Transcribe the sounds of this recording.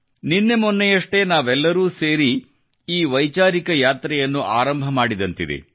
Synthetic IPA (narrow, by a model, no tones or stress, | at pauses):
ninːe̞mɔnːɛjɐʂʈe̞naːʋɛlːɐɾuːseːɾi | iːʋɐjt͡ʃaːɾikɐjaːt̪ɾɛjɐnːuʔaːɾɐmbʱɐmaːɽid̪ɐnt̪id̪ḛ